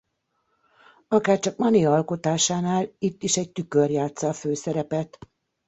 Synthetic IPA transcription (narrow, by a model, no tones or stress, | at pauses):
ɒkaːrt͡ʃɒkmɒniɒlko̞t̪aːʃaːnaːlit̪ːiʃɛɟ̚t̪ykørjaːt̪sɒːføːsɛɾɛpɛt̪